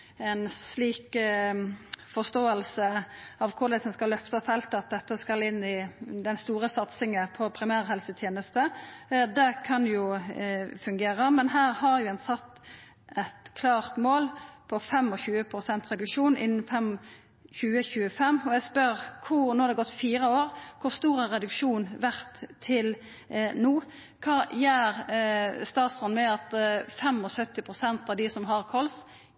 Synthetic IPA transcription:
ɛnsliːk | fɔʁst̪oːəlsəɑʋkʰʊɾlɛsɛnskɑlːœft̪əfɛlt̪əɑt̪̚d̪ɛt̪ːəskɑlɪnːɪd̪ɛnst̪uːʁəsɑt̪sɪŋəpʰɔpʰɾɪmæːʁhɛlsət̪ʰjeːnəst̪əd̪ɛkʰɑnjʊ | fʉŋɡeːʁəmɛnɦæːʁhɑɾjʊɛnsɑt̪ː | ɛt̪kʰlɑːʁt̪moːlpʰɔfɛmɔçʉːəpʰɾʊsɛnt̪ʁɛd̪ʉkʂuːnʔɪ̰nːn̩fɛm | çʉːəçʉːəfɛmɔæspœɾkʰʊnoːhɑd̪ɛɡɔt̪ːfiːɾəoːɾkʰʊʁst̪uːɾəʁɛd̪ʉkʂuːnʋæʁt̪ʰːɪl | nuː | kʰɑːjæːʁst̪ɑːt̪sɔnmɛɑt̪fɛmɔsœt̪ːɪpʰʁʊsɛnt̪ɑʋd̪ɪsɔmɦɑʁkʰɔls

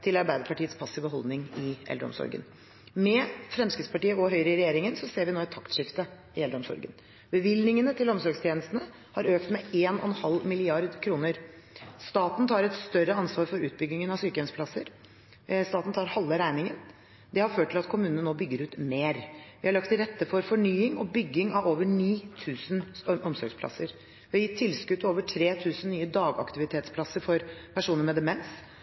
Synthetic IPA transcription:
t̪ʰɪlɑɾbæɪd̪əɾpʰɑʈiːət̪spʰɑsɪʋəɦɔld̪nɪŋɪɛ̰ləɾɔ̰msɔ̰ɾɡə̰n | mɛfɾɛmskɾɪt̪spɑʈiːəɔɦœʏɾəɪɾɛjeːɾɪŋənsɔseːɾʋɪnoːɛt̪ʰːɑkt̪ʂɪft̪ə | ɪɛld̪ɾɔmsɔ̰ɾɡə̰n | bəʋɪlnɪŋənət̪ʰɪlɔmsɔɾɡst̪jeɛːnəst̪nə | hɑɾøːkt̪mɛeːnɔ̰ɛnhɑlːmɪlɪɑɾd̪kʰɾuːnəɾ | st̪ɑːt̪n̩t̪ʰɑːɾɛt̪st̪œɾəɑnsʋɑːɾfɔɾʉ̰ːt̪̚bʏɡnɪŋənɑʋsyːkəɛnspʰlɑsəɾ | st̪ɑːt̪n̩t̪ʰɑːɾhɑlːəɾæɪnɪŋən | d̪ɛhɑɾføːʈʰːɪlɑt̪kʰʊmʉːnnənoːbʏɡːəɾʉːt̪meːɾʋɪhɑɭɑkt̪ʰːɪɾɛt̪ːəfɔɾfɔɳyːɪŋɔbʏɡːɪŋɑʋoːʋəɳiːt̪ʰʉːsənʔɔmsɔɾɡspʰlɑ̰səɾ | ʋɪhɑjɪt̪ʰːɪlskʉd̪t̪ʰɪoːʋəʈʰɾeːt̪ʰʉːsənnyːəd̪ɑːɡɑ̰kt̪ɪʋɪt̪ʰeːt̪spʰlɑsːəɾfɔɾpʰæʂuːnəmɛd̪ɛmɛns

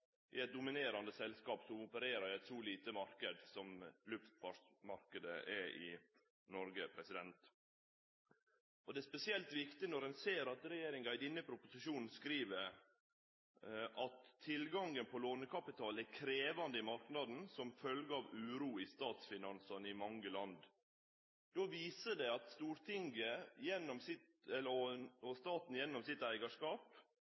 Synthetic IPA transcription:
ʔɪɛt̪̚d̪ʊmɪneːɾɑnd̪əsɛlskɑːpsɔmʊpəɾeːɾəɾæɪt̪sɔliːt̪əmɑɾkəd̪sɔmlʉft̪fɑʂmɑɾkəd̪ə̰ʔɛʔɪ̰ | nɔɾɡəpʰɾɛsɪd̪ɛnt̪ | ɔd̪ɛæspɛsɪɛlt̪ʋɪkt̪ɪnɔɾɛnseːɾɑt̪ɾɛjeːɾɪŋɡɑɪd̪ɪnəpʰɾʊpʊsɪʃuːnn̩skɾiːʋəɾ | ʔɑt̪ʰːɪlɡɑŋɡənpʰɔloːnəkʰɑpɪt̪ʰɑːlækʰɾeːʋɑnd̪əɪmɑɾknɑd̪n̩sɔmfœlɡəɑʋʉːɾuːɪst̪ɑːt̪sfɪnɑnsɑnɪmɑŋːəlɑnd̪ | d̪̥oːʋiːsəɖɛɑt̪st̪uːɾt̪ʰɪŋɡəjɛnːɔmsɪt̪ɛlɔst̪ɑːt̪n̩jɛnːɔmsɪt̪æɪɡɑʂkɑːp

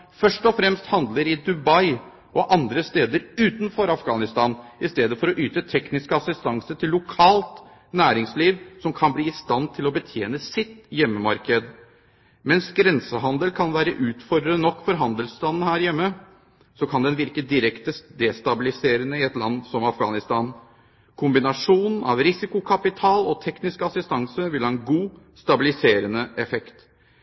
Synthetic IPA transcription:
fœʂʈɔfɾɛmst̪hɑnd̪ləɾɪd̪ʉbɑɪ | ʔɔʔɑnd̪ɾəst̪eːd̪əɾʉːt̪nfɔɾɑfɡɑːnɪst̪ɑːnɪst̪eːd̪əfɔɾɔʔyːt̪ət̪ʰɛknɪskəɑsɪst̪ɑŋsəʈʰɪlːʊkʰɑːlt̪ | næːɾɪŋsliːʋsɔmkʰɑnbliːɪst̪ɑnt̪ʰɪlɔbət̪ʰjeːnəsɪt̪jɛmːəmɑɾkəd̪ | mɛnsɡɾɛnsəɦɑnd̪əlkʰɑnʋæːɾə̰ʔʉːt̪fɔɾd̪ɾənɔkːfɔɾɦɑnd̪əlst̪ɑnnəɦæːɾjɛmːə | sɔkʰɑnd̪ɛnʋɪɾkəd̪ɪɾɛkt̪əd̪eːst̪ɑbɪlɪseːɾənəɪɛt̪lɑ̰nːsɔmɑfɡɑ̰ːnɪst̪ɑːn | kʰʊmbɪnɑʂuːnn̩ɑ̰ʋɾɪsɪkʊkʰɑpɪt̪ʰɑːlɔt̪ʰɛknɪskɑsɪst̪ɑŋsəʋɪlhɑɛnɡuː | st̪ɑbɪlɪseːɾənəʔɛfɛkt̪

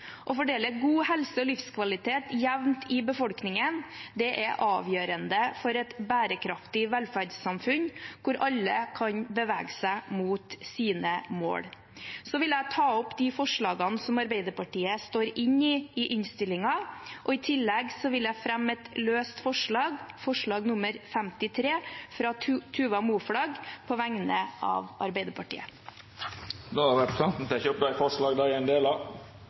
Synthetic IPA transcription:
ʔɔfɔɖeːləɡuːhɛlsəɔlɪfskʰʋɑlɪt̪ʰeːt̪jæʋnt̪ʰɪbəfɔlknɪŋənd̪ɛʔɛʔɑ̰ːʋjøːɾənd̪əfɔɾɛt̪bæːɾəkʰɾɑft̪ɪʋælfæɖsːɑmfʉnkʰʊɾʔɑlːəkʰɑɲbəʋæ̰ːɡsæɪmuːt̪siːnəmo̰ːɽ | sɔʋɪlæɪt̪ʰɑːɔpːd̪ɪfɔʂɭɑːɡɑnsɔmɑɾbæɪd̪əpɑʈiːəst̪oːɾɪɲɪɪʔɪɲst̪ɪlɪŋɑʔɔɪt̪ʰɪlːɛɡsɔʋɪlæɪfɾɛmːɛt̪løːst̪fɔʂɭɑːɡfɔʂɭɑːɡnʊməɾfɛmt̪ɪt̪ʰɾeːfɾɑt̪ʰʉːʋɑmuːfɽɑːɡpʰɔʋæŋnəʔɑ̰ːʋɑɾbæɪd̪əɾpʰɑʈḭːə̰ | d̪ɔɑɾʋæʈsɑnt̪t̪æçøpd̪æɪfɔʂɭɑːɡd̪æɪɛnd̪eːlɑ

